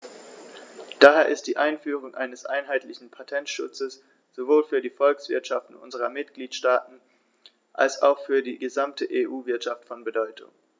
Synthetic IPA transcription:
d̥aːɦeːɐʔɪst̚d̥iːʔaɪnfyːʁ̞ʊŋʔa̰ɪnəsʔa̰ɪnɦaɪtlɪçn̩pʰatʰɛntʃʊ̰t͡səs | z̥ovoːlfyːɐdiːfɔlksv̥ɪ̰ɐtʃaftn̩ʔʊ̰nzəʁɐmɪtɡ̥liːtʃtaːtn̩ | ʔa̰lsa̰ʊxfyːɐdiːɡəzamtʰəʔeːʔuːvɪɐtʃaftfɔnbədɔʏtʰʊ̰ŋ

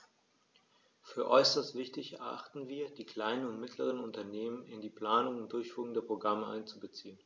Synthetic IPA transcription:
fyːɐʔɔʏsɐstv̥ɪçtɪçɛ̰ɐʔa̰χtn̩viːɐdiːkl̥aɪnənʊntmɪtʰləʁ̞ənʊntɐneːmənɪndiːpl̥aːnʊŋʊnt̚d̥ʊɐçfyːʁŋ̩dɛpʁ̥oɡʁaməʔa̰ɪnt͡subət͡siːən

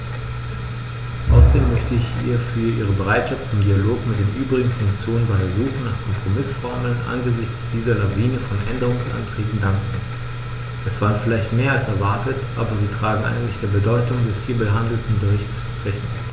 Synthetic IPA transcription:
ʔa̰ʊsɐdeːmːœçtəɪçḭːɐfyːɐʔiːʁ̞əbəʁaɪtʃaftt͡sʊmdialoːkmɪtd̥eːnʔyːbʁɪɡŋ̩fʊŋkt͡sjoːnənbaɪzuːxən̩naːχkʰɔmpʁ̥omɪsfɔɐməl̩nʔa̰nɡəzɪçt͡sd̥iːzɐlaviːnəfɔnʔɛ̰ndəʁ̞ʊŋsʔa̰ntʁ̥iːpn̩daŋkŋ̩ | ʔɛsv̥aːʁənfɪlaɪçtmeːɐalsɛɐvaɐtətʔa̰ːbɐziːtʁ̥aːɡŋ̩ʔa̰ɪɡŋ̩tlɪçd̥eːɐbədɔʏtʊŋdɛshiːɐbəɦandl̩tn̩bəɪçt͡sʃpʁ̥ɛçn̩

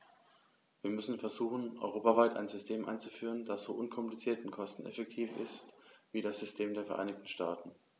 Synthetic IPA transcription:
viːɐmʏsn̩fɛɐzuːχn̩ʔɔ̰ʏʁ̞oːpavaɪta̰ɪnzʏstʰeːmʔa̰ɪnt͡su̥fyːʁ̞əndasz̥oːʔʊnkʰɔmplit͡siːɐtɪnkʰɔstn̩ɛ̰fɛk̚tʰiːfɪ̰stv̥iːɾasz̥ʏstʰeːmdeːɐfɛɐʔa̰ɪnɪçtn̩ʃtaːtn̩

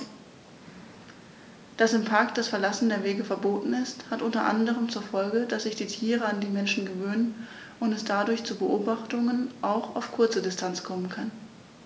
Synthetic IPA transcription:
d̥asɪmpʰaɐkd̥asfɛɐlasn̩deːɐveːɡəfɛɐboːtn̩ɪsthatʔʊntɐʔa̰ndəʁəmt͡suːɐfɔlɡəd̥asz̥ɪçd̥iːtʰiːʁəandiːmɛnʃn̩ɡəvøːnən | ʔʊntɛsd̥adʊɐçt͡suːbəʔoːbaχtʊŋənʔaʊxaʊfkʰʊɐt͡sədɪstʰant͡skʰɔmənkʰan

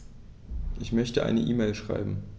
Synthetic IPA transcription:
ʔɪçmœçtəʔa̰ɪnəʔiːmeːlʃʁ̥a̰ɪbm̩

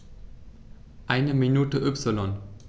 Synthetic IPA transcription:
ʔaɪnəminuːtəʔʏpsɪlɔn

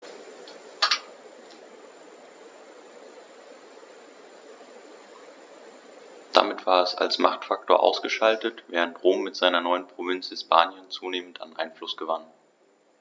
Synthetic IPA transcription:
d̥a̰mɪtv̥aːɐɛsa̰lsmaχtfak̚tʰoːɐʔa̰ʊsɡ̥əʃaltətv̥ɛːʁ̞əntʁoːmːɪtz̥aɪnɐnɔʏənpʁ̥ovɪnt͡shɪspʰaːnjənt͡suːneːmənta̰nʔa̰ɪnflʊsɡ̥əvan

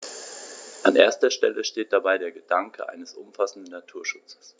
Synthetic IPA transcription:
ʔanʔeːɐstɐʃtɛ̰ləʃteːt̚d̥abaɪdeːɐɡədaŋkʰə̰ʔa̰ɪnəsʔʊ̰mfasn̩dn̩ːatʰuːɐʃʊt͡sə̥s

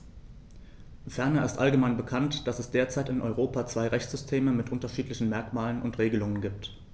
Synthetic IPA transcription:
fɛɐnɐɪstʔalɡəmaɪnbəkʰantd̥asɛsd̥eːɐt͡saɪtɪnʔɔʏʁ̞oːpat͡sv̥aɪʁɛçt͡sz̥ʏstʰeːməmɪtʔʊntɐʃiːtlɪçn̩mɛɐkmaːlənʔʊntʁeːɡəlʊŋənɡiːp̚t

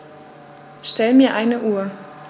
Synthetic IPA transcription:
ʃtɛlmiːɐʔaɪnəʔuːɐ

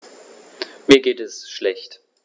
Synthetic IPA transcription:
miːɐɡeːtɛsʃlɛçt

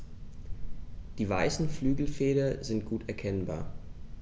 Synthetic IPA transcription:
d̥iːvaɪsn̩flyːɡl̩feːɾɐzɪnt̚ɡ̥uːtʰɛɐkʰɛnba̰ːɐ

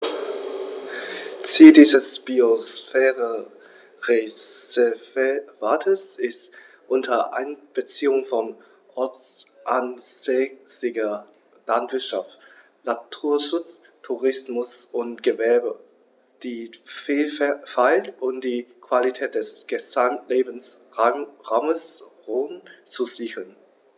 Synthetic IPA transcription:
t͡siːldiːzəsb̥iosfɛːʁə | ʁe | vvaːtʰəsɪst | ʔʊntʰɐʔa̰ɪnb̥ət͡siːʊŋfɔn | ʔɔɐt͡sʔansɛsɪɡɐ | lantv̥ɪɐtʃaft | natʰuːɐʃʊt͡s | tʰuʁɪsmʊsʔʊntɡ̥əvɛɐbə | d̥iːfiːlfɛfaɪltʔʊmd̥iːkv̥alitʰɛːt̚d̥ɛsɡ̥əzamtleːbn̩sʁaʁaʊməsʁoːnt͡suziːɡəln

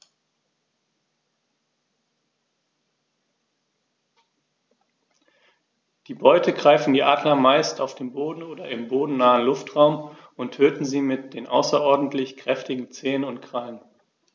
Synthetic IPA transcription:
d̥iːbɔʏtʰəɡʁaɪfn̩diːʔaːdnɐmaɪstaʊfd̥eːnboːdn̩oːdɐɪmboːdn̩naːənlʊftʁ̥aʊmʊntʰøːtn̩ziːmɪt̚d̥eːnʔa̰ʊsɐʔɔɐdn̩tlɪçkʁ̥ɛftɪɡŋ̩t͡seːənʊntkʁ̥alən

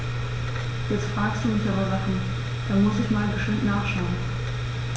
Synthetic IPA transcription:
jɛt͡stfʁ̥aːksd̥uʊnsɛʁazaχn̩ | d̥aːmʊsɪçmaːlbəʃtɪmtnaːχʃaʊən

